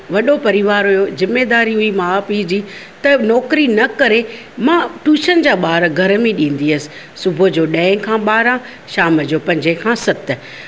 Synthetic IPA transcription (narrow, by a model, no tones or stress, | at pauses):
ʋɐɗopɐɾiʋaːɾɦʊjozɪmːeːd̪aːɾiɦʊimãːpiːd͡ʑiː | t̪ɐnɔːkɾinɐkɐɾe | mãːʈuːʃənɪ̆d͡ʑaːɓaːɾɡʱɐɾmĩɗĩːn̆d̪iəsɪ̥ | sʊbʱʊd͡ʑoːɗɛ̃ːɪ̃kʰãːɓaːɾã | ʃaːməd͡ʑoːpɐ̃ɲd͡ʑekʰãːsɐt̪̆